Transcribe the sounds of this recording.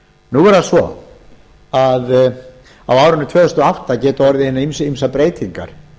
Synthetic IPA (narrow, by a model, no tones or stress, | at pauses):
nuɛɾðasvɔ̰ | að | awaːwɾʏnːʏt̪ʰvɛːðʏst̪ʏɔawht̪acɛːt̪ʏɔɾðɪhenːaimsimsapɾeːjt̪ʰiŋka̰ɾ̥